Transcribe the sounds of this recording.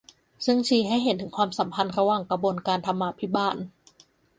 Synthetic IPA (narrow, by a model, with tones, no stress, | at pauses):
sɯ˥˩ŋt͡ɕʰiː˧ɦa˥˩jɦe˩˦nt̪ʰɯ˩˦ŋkʰwaː˧msa˩˦mpʰa˧nɾa˧waː˨˩ŋkɾa˧bo˧nkaː˧nt̪ʰa˧mːaː˧pʰi˦˥baː˥˩n